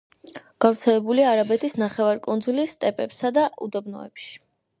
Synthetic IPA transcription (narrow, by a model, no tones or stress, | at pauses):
ɡ̥avɾt̪sʰɛlɛbuliaːɾabɛt̪ʰisnaχɛvaɾkʼund̪zulist̪ʼɛpʼɛpsad̪aʔud̪ɛbnɔ̰ɛ̰pʃi̥